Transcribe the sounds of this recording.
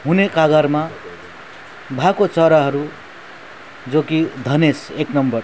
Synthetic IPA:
ɦunekaɡʌɾma | bʱakot͡sʌɾaɦʌɾu | d͡zokid̪ʱʌneseknʌmbʌr

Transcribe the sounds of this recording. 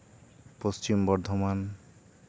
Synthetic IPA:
post͡ʃimbɔɾd̪ʱoman

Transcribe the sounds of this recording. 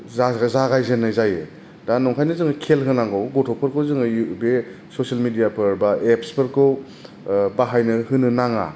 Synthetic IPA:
zazaɡajzenːɯjzajɯ | danɔŋkʰajnɯzɯŋɯkʰelɦɯnaŋɡɯwɡɔtʰɔpʰɯɾkʰɯwzɯŋɯjbe | sɔsialmidijapʰɯɾbaepspʰɯɾkʰɯw | baɦajnɯhɯnɯnaŋa̰

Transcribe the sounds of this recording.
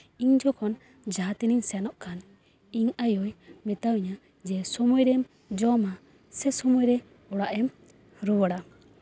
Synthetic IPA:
iɲd͡ʒɔkʰɔn | d͡ʒat̪iniŋsɛnɔʔkan | iŋajɔjmɛt̪awiɲa | d͡ʒɛsɔmɔjɾɛm | d͡ʒɔma | sɛsɔmɔjɾɛ | ɔɽaʔɛm | ɾuwɔɽa

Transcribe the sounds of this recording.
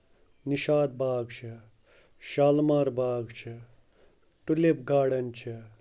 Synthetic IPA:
niʃaːd̪̚baːɡt͡ʃʰi | ʃaːlmaːɾbaːɡt͡ʃʰɐ | ʈulep̚ɡaːɽɐnt͡ʃʰi

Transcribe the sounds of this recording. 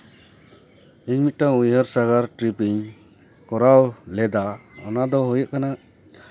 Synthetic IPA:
iŋmit̪̚taŋujɦəɾsaɡaɾʈɾipiɲ | kɔɾawlɛd̪aɔnad̪ɔɦɔjɔʔkana

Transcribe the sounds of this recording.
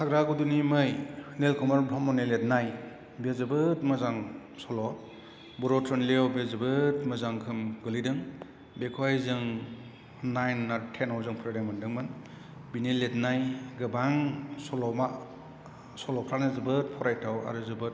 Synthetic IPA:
sʰaɡɾaɡudunimɯjnelkʰɔmaɾbɾɔmɔnelet̚naj | bezɯbɯt̚mɯzaŋ | sɔlɔ | bɔɾɔtʰɾɔnleɔwbezɯbɯtmɯzaŋkʰɯmɡɯlidɯŋ | bekʰwajzɯŋ | najnːaɾtʰenɔwzɯŋpʰɯɾaɾamɯndɯŋmɯn | binilet̚najɡɯbaŋsɔlɔma | sɔlɔpʰɾanɯzɯbɯt̚pʰɔɾajtʰawa̰ɾɯzɯbɯt̚

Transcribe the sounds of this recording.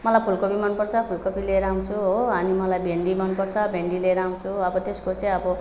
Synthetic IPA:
mʌlajpʰulkopimʌnpʌrt͡sʰʌpʰulkopileɾaũt͡sʰuɦoʌnimʌlajbʱeɳɖimʌnpʌrt͡sʰʌbʱeɳɖileɾaw̃t͡sʰuʌbʌt̪eskot͡saĩʌbʌ

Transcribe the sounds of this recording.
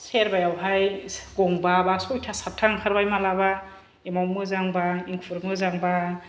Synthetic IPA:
seɾbajawɦajɡ̥ɔŋbabasɔjtʰasatʰːaŋhʰaɾbajmalaba | emawmɯzaŋbaiŋpʰuɾmɯzaŋba

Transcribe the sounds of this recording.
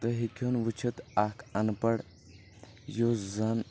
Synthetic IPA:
t̪əɦikʲʰonʋut͡ʃʰət̪akʰɐnpəɽ | jozɐn

